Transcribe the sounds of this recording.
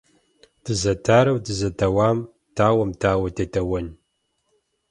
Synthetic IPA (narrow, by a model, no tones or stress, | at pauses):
d̥ɨzɐtʰaːɾɐwdɨzɐtʰɐwaːm | tʰaːwɐmtʰaːwɐtʰetʰɐwɐn